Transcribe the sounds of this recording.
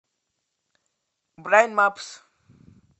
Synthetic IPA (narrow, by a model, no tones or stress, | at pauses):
bɾajnmaps